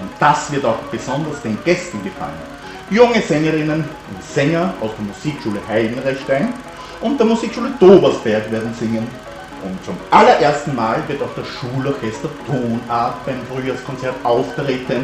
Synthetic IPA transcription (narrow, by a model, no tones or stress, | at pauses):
ʊntd̥asv̥ɪɐtaʊxb̥əzɔndɐsd̥eːnɡ̥ɛstn̩ɡəfa̰lən | jʊŋəzɛŋɐʁɪnən | ʊntsɛŋɐʔaʊsd̥eːɐmuziːkʃuːləhaɪdn̩ʁɛçtæɪn | ʔʊnt̚d̥eːɐmuziːkʃuːləd̥oːbɐsb̥ɛɐkveːɐdn̩zɪŋən | ʔʊntt͡sʊmʔalɐʔeːɐstn̩maːlvɪɐtaʊxd̥asʃuːlɔɐkʰɛstɐtʰoːnaɐtb̥aɪmfʁyːjaːskʰɔnt͡sɛɐtʔaʊftʁ̥eːtʰən